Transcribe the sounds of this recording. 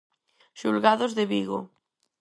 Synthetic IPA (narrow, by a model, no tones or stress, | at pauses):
ʃulɣaðozðeβiɣo̰